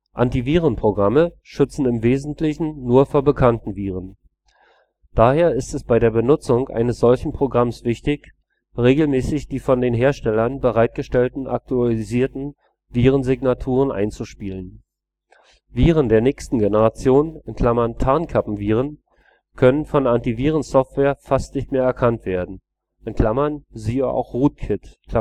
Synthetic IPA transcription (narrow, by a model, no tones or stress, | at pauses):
ʔantiviːʁənpʁ̥oɡʁamə | ʃʏt͡sn̩ɪmveːzn̩tʰlɪçn̩nuːɐfoːɐbəkʰantn̩viːʁən | d̥aːheːɐɪstɛsb̥aɪɾeːɐbənʊt͡sʊŋʔa̰ɪnəsz̥ɔlçn̩pʁ̥oɡʁamsv̥ɪçtɪç | ʁeːɡl̩mɛːsɪçd̥iːfɔndeːnɦeːɐʃtɛlɐnbəʁaɪt̚ɡ̥əʃtɛltn̩ʔa̰k̚tʰualiziːɐtn̩ | viːʁ̞ənzɪɡnatʰuːʁənʔa̰ɪnt͡suʃpiːlən | viːʁəndeːɐnɛːçstn̩ɡenəʁat͡sjoːnɪnkʰl̥amɐntʰaɐnkʰapm̩viːʁən | kʰœnənfɔnʔantiviːʁ̞ənsɔftv̥eːɐfastnɪçtmeːɐɛɐkʰantv̥eːɐdn̩ | ʔɪnkʰl̥amɐnziːʔa̰ʊxʁuːt̚kʰɪt